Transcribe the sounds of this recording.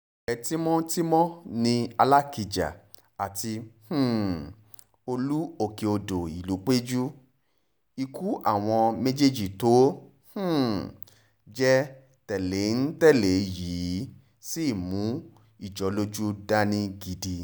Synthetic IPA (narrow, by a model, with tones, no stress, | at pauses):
ɛ˨˦ti˦mɔ̃˦ti˦mɔ̃˦nĩ˧a˧la˦ki˧˨d͡ʒa̰˨ | a˨ti˧h̩˨ | o˧lu˦o˧˨ke˨o˧do˨i˨lu˨˦k͡pe˦d͡ʒu˦ | i˧ku˦ʔa̰˦˨w̃ɔ̃˧mẽ˦d͡ʒe˦d͡ʒi˨to˨˦ | h̩˦˨ | d͡ʒɛ˦ | tɛ˨le˨˦n̩˦tɛ˦˨le˨jiː˨˦ | si˦˨mũ˨˦ | i˦˨d͡ʒɔ˨˦lo˦d͡ʒu˦da˦nĩ˦ɡi˧di˧